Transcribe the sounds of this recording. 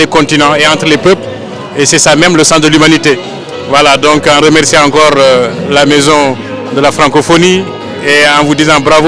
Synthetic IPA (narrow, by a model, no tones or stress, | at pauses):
ekɔ̃t̪inɑ̃eɑ̃nt̪ɾəlepøpl | esɛsamɛmləsɑ̃sd̪əlymanit̪e | vwalad̪ɔ̃kãɾəmɛɾsĩãkɔɾlamezɔ̃ | d̪əlafɾɑ̃ŋkofoni | eɑ̃vud̪izãbɾav